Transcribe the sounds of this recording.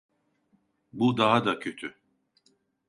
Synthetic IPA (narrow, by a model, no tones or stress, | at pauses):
bud̪aɦad̪acʰø̞t̪ʰy